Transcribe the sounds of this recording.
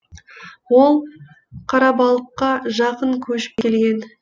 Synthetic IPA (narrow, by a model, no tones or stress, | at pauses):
wolˠ | qʰɑɾɑbɑlˠəqːɑʒɑqəɴkʲʰɵʃpelɡʲe̞n